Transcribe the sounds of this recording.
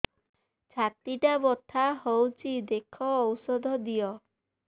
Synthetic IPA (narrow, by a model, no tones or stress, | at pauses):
t͡ʃʰat̪iʈabɔt̪ʰaɦowt͡ʃʰid̪ekʰɔːwsɔd̪ʱɔd̪ijɔ